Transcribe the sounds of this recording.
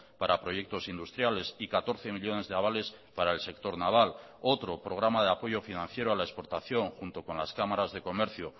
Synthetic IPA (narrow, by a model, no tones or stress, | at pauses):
paɾapɾo̞je̞k̚t̪o̞sind̪ust̪ɾjale̞sikat̪o̞ɾθe̞miʎo̞ne̞zðeaβale̞s | paɾaelse̞k̚t̪o̞ɾnaβ̞al | o̞t̪ɾo̞pɾo̞ɣ̞ɾamað̞e̞apo̞ʝo̞finãn̟θje̞ɾoalaespo̞ɾt̪aθjo̞ŋxunt̪o̞ko̞nlaskamaɾazðe̞ko̞me̞ɾθjo